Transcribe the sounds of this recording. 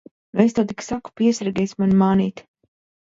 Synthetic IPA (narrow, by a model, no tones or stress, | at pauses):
nest̪awt̪iksaku̥piɛsɾɡʲɛjsʲmanmaːniːt̪